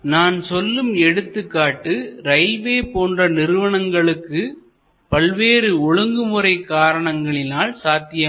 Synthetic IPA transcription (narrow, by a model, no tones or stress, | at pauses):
naːnsɔlːɯmɛɽɯt̪ːɯkːaːʈːɯɾɐɪlʋeːpoːndrɐnɪɾɯʋɐɳɐŋɡɐɭɯkːɯ | pɐlʋeːɾɯʊɻɯŋɡɯmɯɾɐɪkaːɾɐɳɐŋɡɐɭɪnaːlsaːt̪ɪjɐ